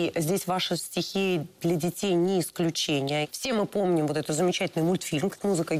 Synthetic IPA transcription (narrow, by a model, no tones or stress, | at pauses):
zʲdʲesʲvaʂɨsʲtʲɪxʲid̪lʲədʲɪtʲejnʲɪɪsklʲʉt͡ɕenʲɪjəfsʲe̞mɨpo̞mnʲɪmvo̞t̪ɛt̪ət̪zəmʲɪt͡ɕætʲɪlʲnɨjmulʲt̪fʲilʲmmuzɨkə